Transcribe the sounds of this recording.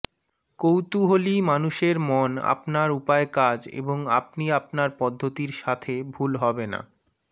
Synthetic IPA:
kowt̪uɦolimanuʃeɾmɔna̰pnaɾupaekad͡ʑḛboŋa̰pniapnaɾpɔd̪ʱːot̪iɾʃat̪ʰebʱulɦɔbena̰

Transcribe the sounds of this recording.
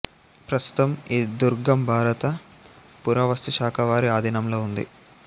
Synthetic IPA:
pɾɐst̪u̥t̪ɐmiːd̪uɾɡɐmbʱaːɾɐt̪ɐ | puɾɐʋɐst̪iʃaːkʰɐʋaːɾiaːd̪ʱinɐmloːund̪ḭ

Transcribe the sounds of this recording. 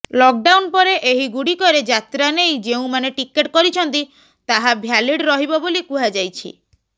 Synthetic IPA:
lɔk̚ɖawnpɔɾeʔeɦiɡuɽikɔɾed͡ʒat̪ɾanejd͡ʒeũmaneʈikeʈkɔɾit͡ʃʰɔnt̪i | t̪aɦabʱjaliɽɾɔɦibɔbolikuɦad͡ʒajt͡ʃʰḭ

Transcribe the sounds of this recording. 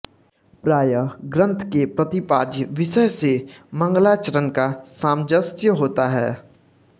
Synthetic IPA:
pɾaːjəɡɾə̃nt̪ʰkepɾɐt̪ɪpaːd̪jəʋɪʃəjsemɐ̃ŋɡlaːt͡ʃəɾənkasãːmd͡ʒəst̪jəɦoːt̪aɦɛː

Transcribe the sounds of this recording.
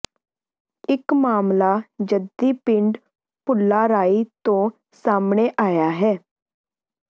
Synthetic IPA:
ɪkmaːmlaːd͡ʒəd̪iːpɪ̃ɳɖ | pʊlːaːɾaːit̪õː | saːmɳeːʔaːjaːɦɛː

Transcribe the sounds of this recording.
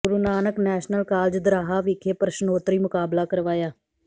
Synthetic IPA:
ɡʊɾuːnaːnəknɛːʃnəlkaːld͡ʒd̪ɾaːɦaːʋɪkʰeːpɾəʃənoːt̪ɾiːmʊkaːblaːkəɾʋaːjaː

